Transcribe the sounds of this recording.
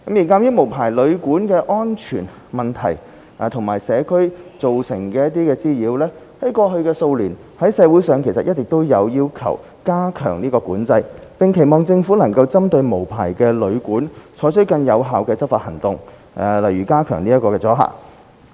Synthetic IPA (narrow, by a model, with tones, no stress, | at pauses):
kɐ˨˥mjiː˨˩nkaː˧mjiː˥wmo˨˩wpʰaː˨˩jlɵ˨˧ɥkuː˨˥nkɛː˧ʔɔː˥nt͡ʃʰyː˨˩n | mɐ˨nt̪ʰɐ̰˨˩j | ʔaː˨˧t̪ʰʊ˨˩ŋmaː˨˩jsɛː˨˧kʰɵ˥ɥt͡so˨wsɪ˨˩ŋkɛː˧jɐ˥t̪̚iː˥kɛː˧t͡siː˥jiː˨˧wlɛː˥ | hɐ˨˥jkɔː˧ɦɵ˧ɥkɛː˧so˧wliː˨˩n | hɐ˨˥jsɛː˨˧wuː˨˥jsœː˨˧ŋkʰe˨˩jsɐ˨t̚jɐ˥t̚t͡sɪ˨k̚t̪o˥wjɐ˨˧wjiː˥wkʰɐ̰˨˩w | kaː˥kʰœ̰ː˨˩ŋliː˥kɔː˧kuː˨˥nt͡sɐ˧jpɪ˨ŋkʰe˨˩jmɔː˨ŋt͡sɪ˧ŋfuː˨˥nɐ˨˩ŋkɐ˧wt͡sɐ˥mt̪ɵ˧ɥmo˨˩wpʰa̰ː˨˩jkɛː˧lɵ˨˧ɥkuː˨˥nt͡sʰɔː˨˥jt͡ʃʰɵ˥kɐ˧njɐ˨˧wɦaː˨˧wkɛː˧t͡sɐ˥p̚faː˧t̚hɐ˨˩ŋt̪ʊ˨˧ŋ | ʔlɐ˨˩jyː˨˩kaː˥kʰœː˨˩ŋniː˥ɐ˥tkɔː˧kɛː˧t͡sɔː˨˥ɦa̰ː˨˩k